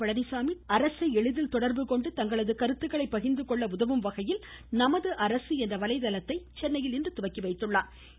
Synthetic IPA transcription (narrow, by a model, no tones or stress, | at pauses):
ɐɻɐnɪsaːmiɐɾɐsɐɪɛɻɯðɪlt̪ɔɽɐɾbɯkɔɳɖɯt̪ɐŋɡɐɭɐðɯkɐɾɯt̪ːɯɣɐɭɐɪpːɐɣɪnd̪ɯkɔɭːɐʊðɐʋɯmʋɐɣɐjɪlnɐmɐðɯʔɐɾɐsɯɛndrɐʋɐlɐɪðɐlɐt̪ːɐɪt͡ʃɛnːɐjɪlɪndrɯt̪ʊʋɐkːiʋɐɪt̪ːɯɭːaːɾ